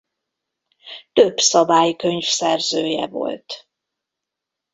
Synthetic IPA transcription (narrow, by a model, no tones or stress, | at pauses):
t̪øbsɒbaːjkø̞ɲfsɛrzøːjɛ̰vo̞̰lt̪